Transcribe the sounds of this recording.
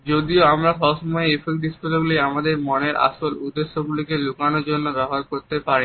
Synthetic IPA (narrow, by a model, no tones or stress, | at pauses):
d͡ʑod̪ioamɾaʃɔoʃɔmɔeefekd̪iʃkoloɡulijamad̪eɾmɔneɾʔa̰ʃolud̪ːeʃːoɡulikelukanoɾd͡ʑonːobɛɦɦaɾkoɾt̪epaɾi